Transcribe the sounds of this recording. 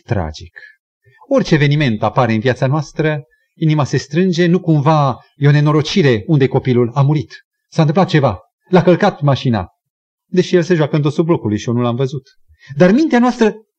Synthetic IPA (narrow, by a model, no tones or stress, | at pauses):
t̪ɾa̰d͡ʒik | o̞rʲt͡ʃeːve̞nime̞nt̪apaɾe̞ɨnviat̪sanoast̪ɾə | inimase̞st̪ɾɨnd͡ʒe̞nukumva | jeo̞ne̞no̞ɾo̞t͡ʃiɾe̞und̪eko̞pilulamuɾit̪ | sanɨmplat̪̚t͡ʃe̞va | lakəlkat̪̚maʃina̰ | d̪e̞ʃije̞lse̞ʒoakəɨnt̪ot̪sud̪̚blo̞kulujʃio̞nulamvəzut̪ | d̪armint̪eanoast̪ɾə